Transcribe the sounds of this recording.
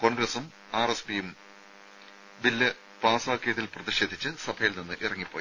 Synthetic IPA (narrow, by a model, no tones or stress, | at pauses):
ko̞ːnɡrɐsum | aːrespijum | bilːɐ | paːsaːkːejɐðilprɐðiɕe̞ːd̪ʱit͡ɕːɨsɐbʰʱɐjilninːɨʔirɐŋːipːo̰ːji